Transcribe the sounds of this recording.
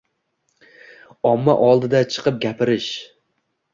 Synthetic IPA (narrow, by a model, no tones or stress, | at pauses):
ɒmːa̰ʔɒlˠd̪ɪd̪at͡ʃʰɨ̥qʰɨp̚ɡʲapɪɾɪʃ